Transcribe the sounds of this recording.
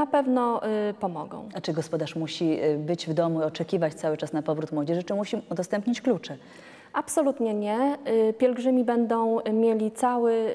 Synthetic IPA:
apɛvnɔpɔmɔ̰ɡɔ̰̃w̃at͡ʂɘɡɔspɔd̪aʂmuɕibɘd͡ʑvd̪ɔmuɔt͡ʂɛkʲivat͡ɕt̪sawɘt͡ʂasnapɔvɾut̪mwɔd͡ʑɛʐɘt͡ʂɘmuɕiud̪ɔst̪ɛmpɲit͡ɕklut͡ʂɛ | ʔapsɔlut̪ɲɛɲɛpʲjɛlɡʐɘmʲibɛnd̪ɔ̃w̃mʲjelʲit̪sawɘ

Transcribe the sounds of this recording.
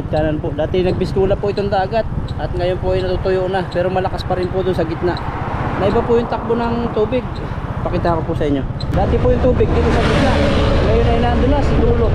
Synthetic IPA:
t͡ʃaːnɐnpoʔd̪aːt̪ɪjnɐɡ̚bɪsk̪uːlɐpʊʔɪt̪oŋd̪aːɡat̪̚ʔɐt̪̚ŋɐjonpʊʔajnɐt̪ʊt̪ʊjoʔnapɛːɾomɐlɐkaspɐɾɪnpʊd̪ʊnsɐɡɪt̪naʔnɐʔɪbapʊjʊŋt̪ak̚bonɐŋt̪uːbɪɡ̚ | pɐkɪt̪aːkopʊsɐʔɪɲːod̪aːt̪ɪpʊjʊŋt̪uːbɪɡ̚d̪ɪt̪osɐɡɪt̪naʔŋɐjonɐjnand̪ʊnasɐd̪uːlo̞ʔ

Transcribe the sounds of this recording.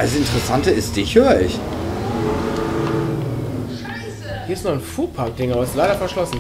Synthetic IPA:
asɪntəʁəsantəɪstd̥ɪçhøːʁəɪç | hiːɐɪstnɔχnfuːpʰak̚d̥ɪŋɐvaslaɪɾɐfɛɐʃlɔsn̩

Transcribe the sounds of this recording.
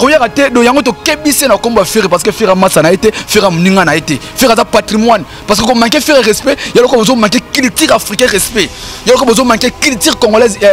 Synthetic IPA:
kojeʁatɛdojaŋɡot̬okebisenakɔmbojafiʁep̬asə̥kefiʁamasanaetɛfiʁamoniŋɡanaetɛfiʁzapatʁimwan | pasə̥kkomaŋkefiʁeʁɛspɛjalokobozomak̬ekilitiʁafʁikɛʁɛspɛjalokobozomaŋkekilitiʁkɔŋɡolɛz

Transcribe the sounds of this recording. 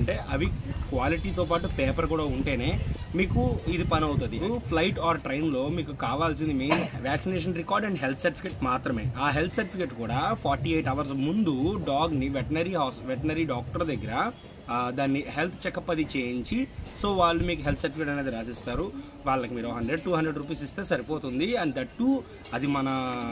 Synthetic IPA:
ɐɳʈe̞ːʔɐʋikʋaːliʈit̪oːpaːʈupeːpɐɾkuːɽaːuɳʈe̞ːne̞ː | miːkuid̪ipɐnɐwt̪̬ud̪ipʰlɐjʈaːɾʈɾɐjnlo̞ːmiːkukaːʋaːls̬ind̪imeːnʋaːksineːʂ̬ɐnɾikaːɾɖeɳɖɦelt̪ʰseɾʈipikeʈmaːt̪ɾɐme̞ːaːɦelt̪ʰseɾʈipʰikeʈːkuːɽaːpʰaːɾʈːiejʈɐʋɐɾs̬mund̪uɖaːɡniʋeʈɐɾnɐɾiɦɐːsʋeʈɐɾnɐɾiɖaːk̚ʈɐɾd̪ɐɡːɐɾɐ | d̪aːnːiɦelt̪ʰt͡ʃɛkːɐpːɐd̪it͡ʃe̞ːɲt͡ʃiso̞ːʋaːɭːumiːkuɦelt̪ʰseɾʈipikeʈ̬ɐne̞ːd̪iɾaːsist̪aːɾu | ʋaːɭːɐkimiːɾoɦɐɳɖɾeɖ̚ʈuːɦɐnd̪ɾeɖɾuːp̬iːs̬ist̪e̞ːsɐɾipoːt̪und̪iɐnd̪ɐʈːu | ɐd̪imɐnɐ

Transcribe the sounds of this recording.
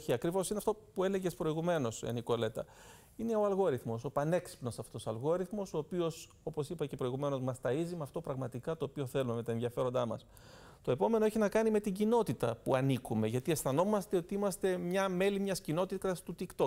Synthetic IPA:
çiɐkɾivo̞sineɐft̪o̞pue̞le̞ʝe̞spɾo̞iɣume̞no̞sḛniko̞le̞t̪ɐ̰ | ine̞o̞ɐlɣo̞ɾiθmo̞so̞pɐne̞ksi̥pno̞sɐft̪o̞sɐlɣo̞ɾiθmo̞so̞ːpio̞s | o̞po̞sipɐce̞pɾo̞iɣume̞no̞zmɐst̪ɐizimeɐft̪o̞pɾɐɣmɐt̪ikɐt̪o̞ːpio̞θe̞lumeme̞t̪ɐe̞nðjiɐfe̞ɾo̞nd̪ɐmɐ̰s | t̪o̞epo̞me̞no̞e̞çinɐkɐnimet̪iɲɟino̞t̪it̪ɐpuɐnikume̞ʝɐt̪ie̞sθɐno̞mɐst̪e̞o̞t̪iimɐst̪e̞mɲɐmelimɲɐscino̞t̪it̪ɐst̪ut̪ikt̪o̞k

